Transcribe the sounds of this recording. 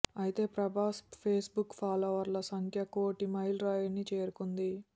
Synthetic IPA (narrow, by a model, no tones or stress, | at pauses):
ɐjit̪e̞ːpɾɐbʱaːspʰeːsbukːpʰaːlɐʋɐɾlɐsɐŋkʰjɐkoːʈimɐjlɾaːjɐnːit͡ʃe̞ːɾukund̪i